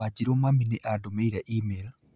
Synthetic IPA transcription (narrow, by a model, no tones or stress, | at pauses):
ad͡ʒiɾomaminɛʔadomeiɾaʔimel